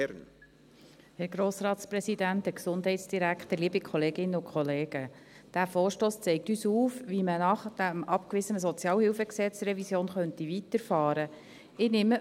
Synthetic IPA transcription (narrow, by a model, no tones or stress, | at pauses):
n | hɛɾɡɾoːsrɑːtsprɛsidæntəksʊnd̥ɦɛɪtsd̥iɾækχt̪əliːbikʰχɔleːɡɪnəʊkχɔleːɡ̥əd̥æːfoːɾʃtoːst͡sɛɪk̚tyːsuːfʋimənɑχd̥æmʔɑpkʋɪzənəs̬zɔt͡sjɑːlhɪfəksɛt͡srɛvisjoːnχœntivit̪əɾfɑːɾə | ɪnɪmə